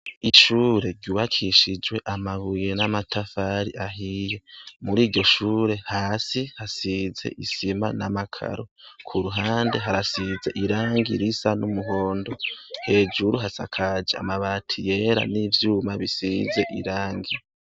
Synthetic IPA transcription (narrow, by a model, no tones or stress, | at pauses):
iʃuːɾe̞ɾɟuβakʰiʃid͡ʒwe̞ʔamaβuje̞namatʰafaɾiʔaɦije̞muɾiːɾɟo̞ʃuːɾe̞haːsihasize̞̰ʔisima̰namakʰa̰ɾokʰuɾuɦaːnde̞ɦaɾasize̞ʔiɾaːŋɡḭɾisanumuɦo̞ːndo̞he̞ːd͡ʒuɾuɦasa̰kʰad͡ʒea̰maβaːtʰije̞ɾa̰nivjuːmaβisize̞ʔiɾaːŋɡi